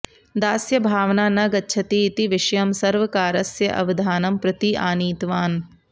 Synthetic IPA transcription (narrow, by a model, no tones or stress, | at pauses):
d̪aːsjɐbʱaːʋnaːnɐɡɐtːʃʰɐt̪iːt̪iʋɪʃɐjɐmsɐɾʋɐkaːɾɐsjɐʔɐ̰ʋɐd̪ʱaːnɐmpɾɐt̪iʔaːniːt̪ʋaːn